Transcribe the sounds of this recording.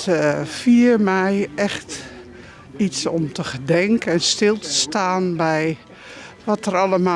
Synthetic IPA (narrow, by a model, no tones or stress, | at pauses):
fiərmɛjɛxt | isɔmtʰəɣədɛŋkɛnstɪlˠtʰə̥staːnbɛj | ʋɔtəraləma